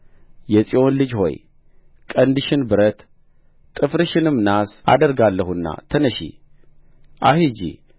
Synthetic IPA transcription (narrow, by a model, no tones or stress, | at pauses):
jɛsʼio̞nlɨd͡ʒho̞̰j | kʼənd̪ɨʃɪnbɨɾət̪ | t̪ʼɨfɾɨʃɪnɨmnasa̰d̪əɾɡalːəhunːa̰t̪ʰənəʃḭ | ʔahid͡ʒḭ